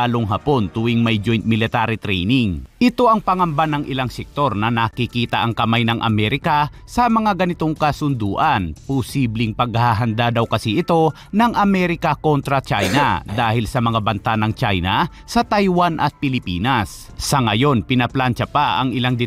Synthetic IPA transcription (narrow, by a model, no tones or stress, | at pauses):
aloŋɦapo̞nt̪ʊwɪŋmɐjd͡ʒo̞jnt̪̚mɪlɪt̪aɾɪt̪ɾɛ̰jnɪŋʔɪt̪o̞ʔɐŋpɐŋɐmbanɐŋʔɪlaŋsɛk̚t̪o̞ɾnɐnɐkikiːt̪ɐʔɐŋkɐmajnɐŋʔɐ̰mɛɾɪkɐ | sɐmɐŋaɡɐnɪt̪o̞ŋkɐsʊnd̪uːʔɐnpʊsiːblɪŋpɐɡ̚haɦɐnd̪ad̪ɐwkɐsiʔɪt̪o̞ | nɐŋʔɐmɛɾɪkɐko̞nt̪ɾɐt͡ʃajnɐ̰d̪aːhɪlsɐmɐŋabɐnt̪anɐŋt͡ʃajnɐ | sɐt̪ajwanʔɐt̪̚pɪlɪpiːnɐsː | ɐŋɐjo̞npɪnɐplant͡ʃɐpaʔɐ̰ŋɪlaŋd̪ɪ